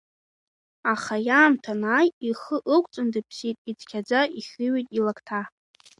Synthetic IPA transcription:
aχajaːmtʰanaːjiχəʔɨkʷʼt͡sʼɨndɨpʰsitʼid͡zkʲʰad͡zaʔiχʲɨɥitʼilakʰtʰa

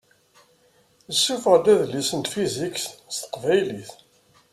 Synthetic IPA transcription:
əsːufʁd̪æðlisənt̪fiziksst̪ə̥qvæjliθ

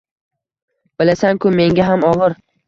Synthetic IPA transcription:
b̥ɪlasaŋkʰʊme̞ŋɡʲaɦamɒʁɨɾ

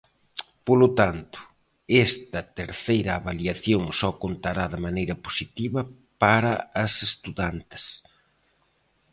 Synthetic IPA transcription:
polʊt̪ant̪ʊ̥ | ɛst̪ɐt̪eɾθejɾɐːβaliaθjoŋsɔkont̪aɾaðɪmanejɾɐposit̪iβɐ | paɾɐɐsest̪uðant̪ɪ̥s

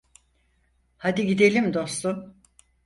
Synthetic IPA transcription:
had̪iɡid̪e̞lʲimd̪o̞st̪um

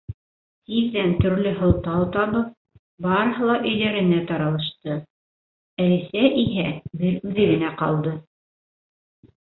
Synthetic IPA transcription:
t̪iðːænt̪ɵ̆ɾlɘɦŏlˠt̪ɑwt̪ɑβɤp̚ | bɑɾɤ̆ɦɤ̆lˠɑʔɵ̆jðæɾɘ̆næt̪ɑɾɑlˠɤ̆ʃt̪ɤ | æ̆lɘ̆sæʔiɦæbɘɾʉðɘɡɘ̆næqɑ̰lˠd̪ɤ

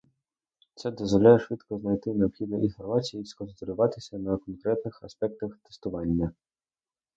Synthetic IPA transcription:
t̪sɛd̪ɔzvɔlʲajɛʂvɨt̪kɔznajt̪ɨnɛɔpxʲid̪ɐʔixɔrvat͡sʲijiskɔnst̪ɔɾʲʊvat̪ɪsʲɐnɐkɔnkɾɛt̪nɨxaspʲɛk̚t̪ɐxt̪ɛ̥st̪ʊvanʲːɐ

